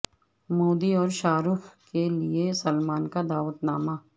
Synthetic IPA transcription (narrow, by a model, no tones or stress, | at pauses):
moːd̪iɔːɾʃaːɾuːfkeliesəlmaːnkad̪aːʋət̪naːma